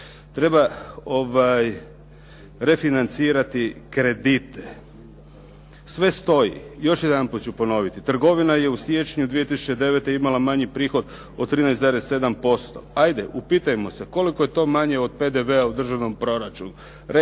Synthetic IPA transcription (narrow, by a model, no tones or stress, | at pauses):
t̪ɾe̞bao̞ʋaj | ɾe̞finant̪siːɾat̪ikɾe̞d̪it̪e | sʋe̞st̪o̞jḭjo̞ʃjed̪anput̪t͡ɕupo̞no̞ʋit̪it̪r̩ɡo̞ʋinaje̞usje̞t͡ʃɲud̪ʋije̞t̪isu̥t͡ɕed̪e̞ʋet̪eimalamaɲipɾiːxo̞d̪ | ot̪ɾiːnɛjsaɾesse̞d̪ampo̞st̪o̞̰ajd̪e̞ʔupiːt̪ajemo̞se̞ko̞liko̞je̞t̪o̞ːmaɲe̞od̪̚pe̞d̪e̞ʋe̞aud̪r̩ʒaʋno̞mpɾo̞ɾat͡ʃunu | ɾ